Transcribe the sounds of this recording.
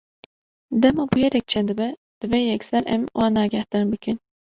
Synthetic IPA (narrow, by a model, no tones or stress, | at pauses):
d̪ɛmɑbujɛɾɛk̚t͡ʃʰɛnd̪ɨbɛ | d̪̥ɨvɛjɛksɛɾʔɛmwʔɑːnɑːɡɛhd̪ɑɾbɨkɨn